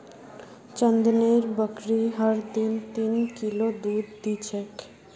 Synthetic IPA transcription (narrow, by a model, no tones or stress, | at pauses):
t͡ɕənd̪neɾbəkɾiɦaɾd̪int̪inkilod̪ud̪ːit͡ɕʰek